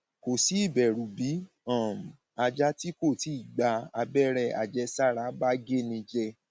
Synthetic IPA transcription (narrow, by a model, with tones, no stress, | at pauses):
ko˨si˨˦i˦˨bɛ˨ɾũ˨bi˨˦ | ã˦˨m˨ | a˧d͡ʒa˦ti˦ko˦˨ti˨˦i˦˨ɡ͡ba˧˦a˧bɛ˦˨ɾɛ˦˨a̰˨d͡ʒɛ˧˦sa˦˨ɾa˨˦ba˦ɡe˦nĩ˧d͡ʒɛ˧